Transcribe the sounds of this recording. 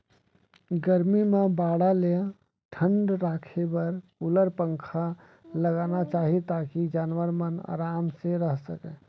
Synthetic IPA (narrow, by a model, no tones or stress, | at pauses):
ɡəɾmimebaːɽaleja | ʈʰəɳɖɾaːkʰebəɾkuləɾpə̃ŋkʰa | ləɡanat͡ʃaːɦit̪akid͡ʒaːnwəɾməna̰ːɾaːmseɾəɦsəkɛ